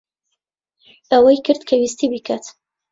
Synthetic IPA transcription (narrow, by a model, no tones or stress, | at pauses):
awajkəɾt̪kʰawist̪ibikat̪